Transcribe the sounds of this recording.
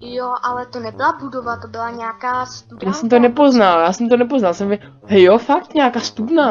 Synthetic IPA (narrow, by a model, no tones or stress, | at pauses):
joʔalɛt̪onɛbɪlabudovat̪obɪlaɲɛakaːst̪udjaːsɛmt̪onɛpo̞znaljaːsɛmt̪onɛpoznalsɛmvɪ | ɦɛjofak̚t̪ɲɛakaːst̪udna